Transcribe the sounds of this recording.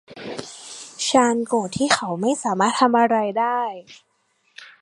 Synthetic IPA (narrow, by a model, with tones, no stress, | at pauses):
ɕʰaː˧nkoː˨˩t̪ʰiː˥˩xʰa˦˥wma˥˩jsaː˩˦maː˥˩t̪ʰa˧mʔa˧ɾa˧jdaː˥˩j